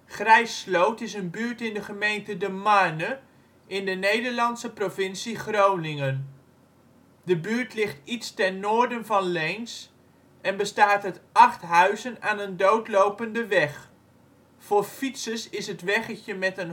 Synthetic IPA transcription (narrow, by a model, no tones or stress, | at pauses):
χrɛjslowtɪsənbyːɹtɪndəχəmejntədəmanə | ʔɪndənejdəɹlɑnsəprovɪnsiχrownɪŋən | dəbyːɹtlɪχtitstɛnːoːɹdənvɑnlejns | ʔɛnbəstaːtɦətɑχtɦœɥzənaːnəndowtlowpəndəʋɛχ | fʊːɹfitsəsɪsɦətʋɛχəçəmɛtən